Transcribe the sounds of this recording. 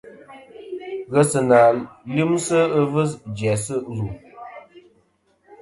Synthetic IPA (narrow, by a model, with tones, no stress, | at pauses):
ɣə˨sɨ˨na˨li˦msə˦ə˦və˦sd͡ʒjɛ˨sə˦zu˨